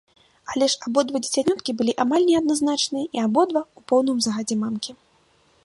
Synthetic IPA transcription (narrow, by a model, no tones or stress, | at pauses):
alʲɛʂabɔd̪vɔd͡zʲit͡sʲanʲɔt̪kʲibɨlʲiʔamalʲnʲɛɐd̪̚naznat͡ʂnɨjɐʔiabɔd̪vaupɔwnɨmzɐɣad͡zʲɛmamkʲi